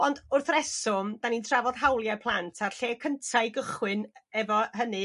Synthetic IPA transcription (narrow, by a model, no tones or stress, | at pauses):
ɔndʊrθrɛsɔmd̥anintʰravɔðɦawlˠjapʰlˠantʰarɬeːkʰəntʰaɨɡəχwɪnɛvɔɦənɨ